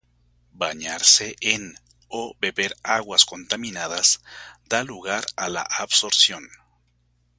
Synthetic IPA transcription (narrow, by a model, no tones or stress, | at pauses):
baɲaɾseʔen | obe̞βeɾaɣwasko̞nt̪amĩnaðaz̥d̪aluɣaɾala̰ʔaβso̞ɾsjo̞n